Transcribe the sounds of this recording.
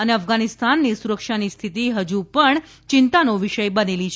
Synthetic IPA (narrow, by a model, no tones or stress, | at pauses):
əneəfɡanist̪anːisuɾəkʃanist̪ʰit̪iɦəd͡ʒupəɳ | t͡ʃɪnt̪anoʋiʃəjbənelit͡ʃʰ